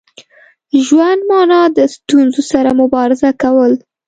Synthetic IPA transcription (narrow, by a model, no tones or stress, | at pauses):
ʒwand̪mɑnɑd̪əst̪unzosaɾamʊbɑɾɪzakawəl